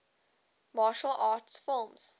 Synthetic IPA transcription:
mɑːʃəlʔaːtsfɪlˠmz̥

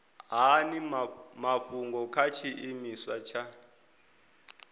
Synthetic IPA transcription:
ɦanimaɸuŋɡɔkʰat͡ʃʰiʔimiswat͡ʃʰa

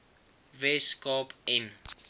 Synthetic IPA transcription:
veskɔpɛn

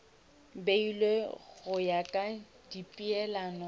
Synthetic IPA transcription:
beilweɣʊjakʼa | dipʼiɛlaːnɔ

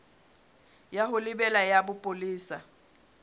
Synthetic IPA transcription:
jaɦʊlɪbɛlajabʊpʼoliːsa

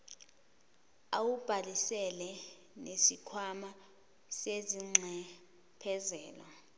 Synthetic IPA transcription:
awub̥ʱalisɛlɛ | nesikʰwama | seziŋ͡ǁʱɛ | pʰɛzɛːlwa

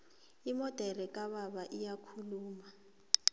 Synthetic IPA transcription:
imɔd̥ʱɛrɛkʼaɓaɓaʔijakʰuluːma

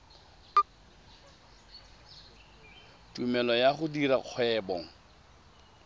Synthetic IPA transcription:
tʼumɛlɔjaχʊdiɾaq͡χʰwɛːbɔŋ̩

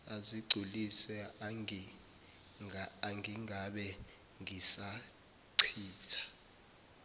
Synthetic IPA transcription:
aziɡ͡ǀʱulisɛi | aŋɡiŋaɓɛ | ŋʱisa | ǀʰiːtʰḁ

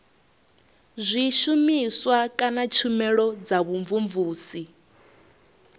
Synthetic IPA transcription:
zʷiʃumiswakʼanat͡ʃʰumɛɺɔd͡zaβuɱvuɱvuːsi

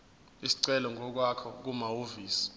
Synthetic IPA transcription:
isi̥ǀɛlɔŋʱɔk̬wakʰɔ̰k̬umawoviːsi̥

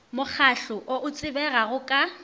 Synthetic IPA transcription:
mʊk͡xʰaɬʊʔoʔʊt͡sʼɪbɛɣaɣʊkʼa

